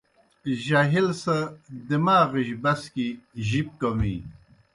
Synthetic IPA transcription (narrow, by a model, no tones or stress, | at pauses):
ʑaɦilsɐd̪imaːɣiɕbɐskiʑip̚komḭ